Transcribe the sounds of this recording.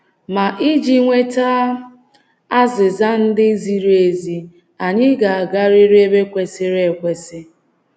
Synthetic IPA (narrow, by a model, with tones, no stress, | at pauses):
ma˨ʔi˦d͡ʒi˦ŋʷe˦ta˦ | a˦zɪ˨za˦n̩˦dɪ˦zi˨ɾe˨zi˨ | a˨ɲɪ˦ɡa˨a˨ɡa˦ɾi˦ɾe˦be˦kʷe˨sɪ˦ɾe˦˨kʷe˨sɪ˦